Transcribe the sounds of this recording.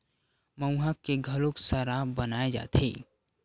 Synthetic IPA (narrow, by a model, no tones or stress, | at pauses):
məwɦakːeɡʱəloksaɾabənaed͡ʒa̰ːt̪ʰḛ